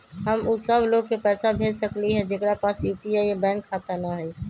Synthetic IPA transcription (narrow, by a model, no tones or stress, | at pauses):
ɦəmuːsəbʱloɡ̚kepɛːsabʱed͡ʒsəkliɦɛ̃d͡ʒekɽapasjupiajebɛ̃ːŋkʰːat̪ənaɦəɪ